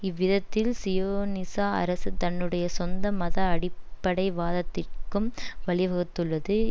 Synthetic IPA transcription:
ɪʋːɪðɐt̪ːɪlsɪjoːnɪsaːɐ̰ɾɐsɯt̪ɐnːɯɽɐjɐsɔnd̪ɐmɐðɐːɽɪpːɐɽɐɪʋaːðɐt̪ːɪrkɯmʋɐɭɪʋɐɣɯt̪ːɯɭːɐðɯ

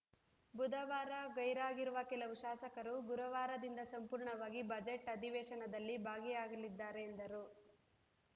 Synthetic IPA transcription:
bud̪ɐʋaːɾɐɡɐjɾaːɡiɾuʋɐkɛlɐʋuʃaːsɐkɐɾuɡuɾɐʋaːɾɐd̪ind̪ɐsɐmpuːɾɳɐʋaːɡibɐd͡ʒeʈːɐd̪ʱiʋɛːʃɐnɐd̪ɐlːibʱaːɡijaːɡɐlid̪ːaːɾeːnd̪ɐɾu

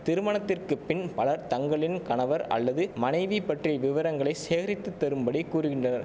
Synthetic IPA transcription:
t̪ɪɾɯmɐɳɐt̪ːɪrkɯpːɪnpɐlɐɾt̪ɐŋɡɐɭɪnkɐnɐʋɐɾɐ̰lːɐðɯmɐnɐɪʋipɐʈriɐʋɪʋɐɾɐŋɡɐɭɐɪseːɾɪt̪ːɯt̪ːɐɾɯmbɐɽikːuːɾɯɣɪnɳdrɐnɐɾ

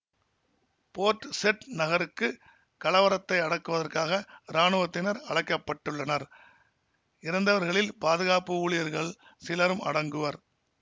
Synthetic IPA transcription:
poːʈːsɛʈnɐɣɐɾɯkːɯ | kɐlɐʋɐɾɐt̪ːɐɪɐɽɐkːɯʋɐðɐrkaːɣɐɾaːɳɯʋɐt̪ːɪnɐɾɐɽɐɪkːɐpːɐʈːɯɭːɐnɐɾ | ɪɾɐnd̪ɐʋɐɾɣɐɭɪlpaːðɯɣaːpɯuːɭɪjɐɾɣɐɭ | sɪlɐɾɯmɐ̰ɽɐŋɡɯʋɐɾ

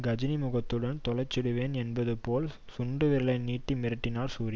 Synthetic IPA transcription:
ɡɐd͡ʒɪnɪmʊɣɐt̪ːɯɽɐnt̪ɔɭɐɪt͡ʃːɪɽɯʋeːnɛnbɐðɯpoːlsʊɳɖɯʋɪɭɐɪniːʈːimɪɾɯʈːɪnaːɾsuːɾi

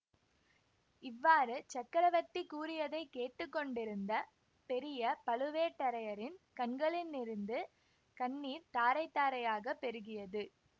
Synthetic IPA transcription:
ɪʋːaːɾɯt͡ʃɐkːɐɾɐʋɐt̪ːikuːɾɪjɐðɐɪkːeːʈːɯkːɔɳɖɪɾɯnd̪ɐ | pɛɾɪjɐpɐɭɯʋeːʈːɐɾɐjɐɾɪnkɐnɡɐɭɪnːɪɾɯnd̪ɯ | kɐɳːiːɾt̪aːɾɐɪt̪ːaːɾɐjaːɣɐpːɛɾɯɣɪjɐðɯ

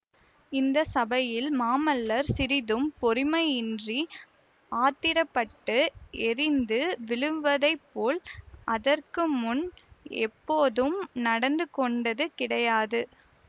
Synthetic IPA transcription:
ɪnd̪ɐsɐbɐjɪlmaːmɐlːɐɾsɪɾɪðɯmpɔɾɪmɐɪɪndri | aːt̪ɪɾɐpːɐʈːɯɛrɪnd̪ɯʋɪɻɯʋʋɐðɐɪpːoːlʔɐðɐrkɯmʊnɛ̰pːoːðɯmnɐɽɐnd̪ɯkɔɳɖɐðɯkɪɽɐjaːðɯ

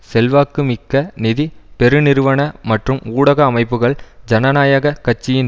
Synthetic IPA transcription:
sɛlʋaːkɯmɪkːɐnɪðipɛɾɯnɪɾɯʋɐɳɐmɐʈrɯmuːɽɐɣɐːmɐɪpːɯɣɐɭd͡ʒɐnɐnaːjɐɣɐkɐt͡ʃːɪjɪn

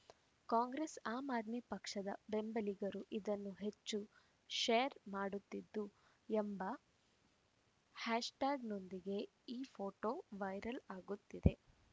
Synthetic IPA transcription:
kaːŋɡɾesaːmaːd̪mipɐkʂɐd̪ɐ̰be̞mbɐliɡɐɾuʔid̪ɐnːuɦe̞t͡ʃt͡ʃːu | ʃeːɐɾmaːɽut̪ːid̪ːu | embɐ | haːʂʈaːɡno̞nd̪iɡe̞ | iːpʰoːʈoʋɐjɾɐlaːɡut̪ːid̪e

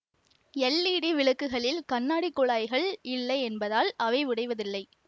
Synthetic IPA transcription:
ɛlːiːɽiʋɪɭɐkːɯɣɐɭɪlkɐnːaːɽikːɔɭaːjɣɐɭɪlːɐɪɛnbɐðaːlɐʋɐɪʋɪɽɐɪʋɐðɪlːɐɪ

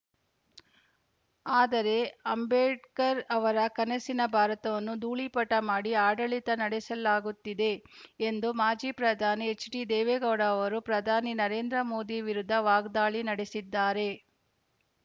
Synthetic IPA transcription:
aːd̪ɐɾe̞ɐmbeːʈkɐɾɐʋɐɾɐkɐnɐsinɐbʱaːɾɐt̪ɐʋɐnːud̪uːɭipɐʈːɐmaːɽiaːɖɐɭit̪ɐnɐɽesɐlaːɡut̪ːid̪e̞ːnd̪umaːd͡ʒiːpɾɐd̪ʱaːniet͡ʃːɖid̪eːʋeːɡɐʋɽaɐʋɐɾupɾɐd̪ʱaːninɐɾe̞ːnd̪ɾɐmo̞ːd̪iʋiɾud̪ʱːɐʋaːɡd̪aːɭinɐɽesid̪ːaːɾe̞

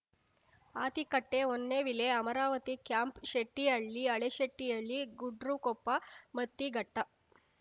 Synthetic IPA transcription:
aːt̪ikɐʈːeonːeʋileɐmɐɾaːʋɐt̪ikjampʃeʈːijɐɭːiɐɭeʃeʈːijɐɭːiɡuɖɾukopːamɐt̪ːiɡɐʈːɐ

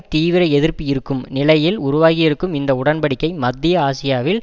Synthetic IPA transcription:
t̪iːʋɪɾɐɛðɪrpːɪjɪɾɯkːɯmnɪlɐjɪlʊɾʊʋaːɣɪjɪɾɯkːɯmɪnd̪ɐʊɽɐnpɐɽɪkːɐɪmɐd̪ːɪjɐaːsɪjaːʋɪl

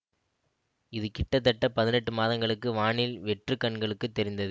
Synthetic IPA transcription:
ɪðɯkɪʈːɐt̪̬ːɐʈːɐpɐðɪnɛʈːɯmaːðɐŋɡɐɭɯkːɯʋaːɳɪlʋɛʈrɯkːɐɳɡɐɭɯkːɯt̪ːɛɾɪnd̪ɐðɯ

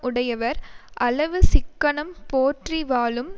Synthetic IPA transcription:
ʊɽɐjɐʋɐɾʔɐlɐʋɯsɪkːɐɳɐmpoːʈriʋaːlɯm

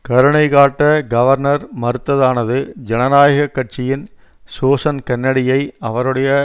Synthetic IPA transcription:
kɐɾɯɳɐɪkaːʈːɐɡɐʋɐɾnɐɾmɐɾɯt̪ːɐðaːnɐðɯd͡ʒɛnɐnaːjɐɣɐkːɐʈ̚t͡ʃɪjɪn | soːsɐnkɐnːɐɽɪjɐɪɐʋɐɾɯɽɐjɐ

